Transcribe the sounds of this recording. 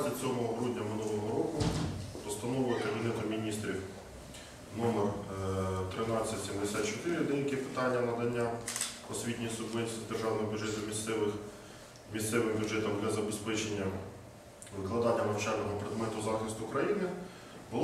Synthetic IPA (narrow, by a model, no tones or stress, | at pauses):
zʲit͡sʲɔmɔɦɔɦɾudʲnʲɐmɪnulˠɔɦɔɾɔkʊpɔst̪ɐnɔʋɪkɐbʲinɛt̪ʊmʲinʲist̪ɾʲiw | nɔmer | t̪ɾɪnɑt͡sʲːɐtʲsʲimd̪esʲɑt̪t͡ʃɔt̪ɪɾɪd̪ɛjɐkipɪ̥t̪ɑnʲːɐnɐd̪ɐnʲːaɔsʲʋʲit̪ʲnʲijsʊbʋɛnʲsʲid̪erʒɑwnɔɔbʲjʊdʒɛt̪ʊmʲisɛʋɪx | mʲist̪sɛʋɪmbʲjʊdʒɛt̪ɔmd̪lʲɐzɐbespɛt͡ʃenʲːɐ | ʋɪklˠɐd̪ɑnʲːɐmɐwt͡ʃɑnɔɦɔpɾed̪mɛt̪ʊzɑxɪst̪ʊkɾɐjinɪ | bʊlˠ